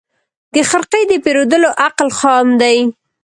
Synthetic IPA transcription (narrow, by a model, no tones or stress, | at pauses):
d̪̥əxaɾqəjd̪əpeɾod̪əloʔaqlxɑmd̪aj